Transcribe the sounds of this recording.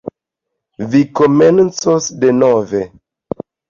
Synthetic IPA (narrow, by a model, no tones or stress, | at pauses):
vikoment͡sosdenove